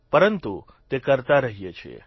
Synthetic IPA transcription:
pəɾənt̪u | t̪ekəɾt̪aɾəɦijet͡ʃʰḛ

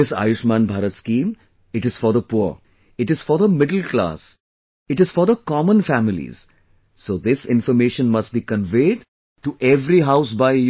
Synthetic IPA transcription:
ɪsa̰ːjʊʃmãːnbʱaːɾət̪skĩːm | ɪʈɪz̥fɔɾd̪əpuɾ | ɪʈɪz̥fɔɾd̪əmɪɖəl̩kla̰ːs | ɪʈɪz̥fɔɾd̪əkɔmə̃nfæmɪlḭz̥ | soːd̪ɪsɪ̃nfəɾmeːʃə̃nmɐsʈ̚biːkə̃nʋeːɖ | ʈuʔɛʋɾiɦaʊsbaɪ

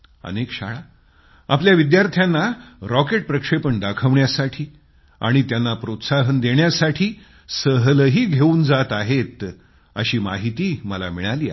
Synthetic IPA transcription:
ə̰nekɕa̰ɭa | apljaʋid̪jaɾt̪ʰjanːaɾɔkeʈ̚pɾəkʂepəɳd̪akʰəʋɳjasaʈʰiː | a̰ɽ̃it̪janːapɾot̪saɦənd̪eɳjasaʈʰiː | səɦləɦiːɡʱeuːnd͡zat̪aɦet̪ | ə̰ɕiːma̰ɦit̪iːməla̰miɭaliːa̰

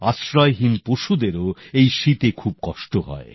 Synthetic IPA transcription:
asɾɔeɦinpoʃud̪eɾoejʃit̪ekʰub̚kɔʃʈoɦɔ̰e

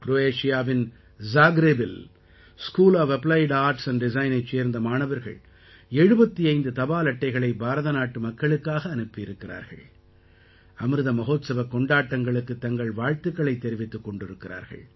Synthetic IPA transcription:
kɾoːeːʂɪjaːʋɪn | zaːɡɾeːbɪl | skuːlaːʋɛplɐɪɖaːɾʈsɐnɖɪzɐɪnɐɪt͡ʃːeːɾnd̪ɐmaːnɐʋɐɾɣɐ̰ɭ | ɛɻɯbɐt̪ːiɐɪnd̪ɯt̪ɐbaːlɐʈːɐɪɣɐɭɐɪbaːɾɐðɐnaːʈːɯmɐkːɐɭɯkːaːɣɐːnɯpːɪjɪɾɯkːɪra̰ːɾɣɐ̰ɭ | ɐmɯɾɯðɐmɐɣoːt̪sɐʋɐkːɔɳɖaːʈːɐŋɡɐɭɯkːɯt̪ːɐŋɡɐɭʋaːɻt̪ɯkːɐɭɐɪt̪ːɛɾɪʋɪt̪ːɯkːɔɳɖɪɾɯkːɪra̰ːɾɣɐ̰ɭ

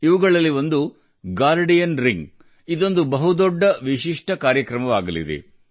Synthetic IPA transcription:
iʋuɡɐɭɐlːiʋond̪u | ɡaːɾɖijɐnɾiŋɡ | id̪o̞nd̪ubɐɦud̪ɔɖːɐʋiʃiʂʈʰɐkaːɾjɐkɾɐmɐʋaːɡɐlḭd̪ḛ

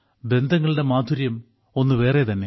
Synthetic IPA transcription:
be̞nd̪ʱɐŋːɐɭiɽe̞maːd̪ʱuɾjɐm | o̞nːɨʋe̞ːret̪ɐnːe̞

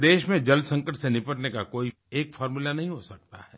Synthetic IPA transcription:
d̪eːʃmẽd͡ʒɐlsɐ̃ŋkəʈsenɪpəʈnekakoːi | eːkfʰɔːɾmulanɐɦĩɦosɐk̚t̪a̰ɦɛː

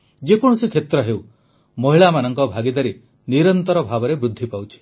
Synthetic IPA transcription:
d͡ʒekɔɽ̃ɔsikʰet̪ɾɔɦew | mɔɦiɭamanɔŋkɔbʱaɡid̪aɾi | niɾɔnt̪ɔɾɔbʱabɔɾebɾud̪ʱːipawt͡ʃʰi̥

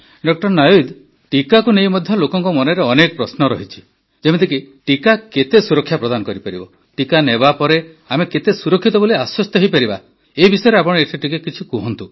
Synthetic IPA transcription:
ɖɔk̚ʈɔɾnɔjujd̪ | ʈikakunejmɔd̪ʱjɔlokɔŋkɔmɔneɾeɔnekɔpɾɔsnɔɾɔ̰ɦit͡ʃʰi̥ | d͡ʒemet̪ʰikiʈikaket̪esuɾɔkʰːjapɾɔd̪anɔkɔɾipaɾibɔ | ʈikanebapɔɾe | ameket̪esuɾɔkʰːit̪ɔboliaswɔst̪ɔɦejpaɾiba̰ | eibisɔjɔɾeapɔɽ̃ɔeʈʰiʈikekit͡ʃʰikuɦɔnt̪u

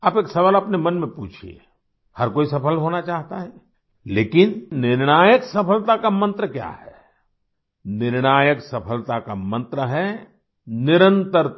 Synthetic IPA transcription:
aːpeːksɐʋalɐpnemɐnmẽpuːt͡ʃʰiḛ | hɐɾkoːisɐpʰəlɦoːnat͡ʃaːɦt̪aɦɛ | leːkɪnːɪɾñaːjəksɐpʰəlt̪akamɐ̃nt̪ɾəkja̰ːhɛ | nɪɾɽ̃aːjəksɐpʰəlt̪akamɐ̃nt̪ɾəɦɛ | nɪɾə̃nt̪əɾ

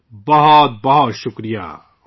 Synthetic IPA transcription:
bɐɦɔt̪̚bɐɦɔt̪ʃʊkɾija̰ː

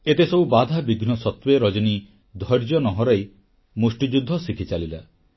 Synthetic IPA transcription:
et̪esɔbubad̪ʱabiɡʱnɔsɔt̪weɾɔd͡ʒɔni | d̪ʱɔjɾd͡ʒɔnɔɦɔɾɔj | musʈid͡ʒud̪ʱːɔsikʰit͡ʃalila

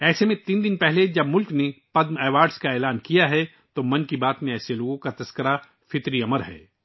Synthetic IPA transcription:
ɛːsemẽt̪iːnd̪ɪnpɛɦled͡ʒɐbmʊlknepɐd̪mɛːʋaːɾɖskaeːlaːnkijaɦɛ | t̪omɐ̃nkibaːt̪mẽɛːseloːɡõkat̪ɐskəɾa | fɪt̪ɾiɐməɾɦɛ̰ː

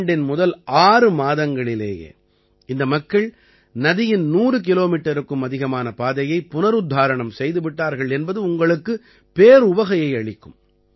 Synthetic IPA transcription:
ɳɖɪnmʊðɐlʔaːɾɯmaːðɐŋɡɐɭɪlḛːjḛː | ɪnd̪ɐmɐkːɐɭ | nɐðɪjɪnnuːrɯk̬ɪloːmiːʈːɐɾɯkːɯmɐðɪɣɐmaːnɐpaːðɐjɐɪpːʊnɐɾʊd̪ʱːaːɾɐɳɐmsɛjðɯʋɪʈːaːɾɣɐɭɛnbɐðɯʊŋɡɐɭɯkːɯ | peːɾʊʋɐɣɐjɐɪɐɭɪkːɯm

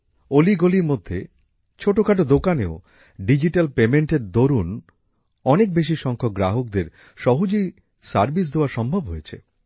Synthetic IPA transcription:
oliɡoliɾmod̪ʱːe | t͡ɕʰoʈokʰaʈ̬od̪okaneo | ɖid͡ʑiʈalpemeɳʈeɾd̪oɾun | ɔnek̚beʃ̬iʃɔŋkʰok̚ɡɾaɦok̚d̪eɾ | ʃɔɦud͡ʑoj | saɾbis̬d̪eoaɾʃɔmbʱobɦojet͡ɕʰḛ

